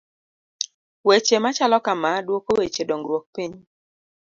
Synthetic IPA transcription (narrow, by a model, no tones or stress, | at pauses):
wet͡ʃemat͡ʃalɔkamadwokowet͡ʃedɔŋɡɾwɔk̚piɲi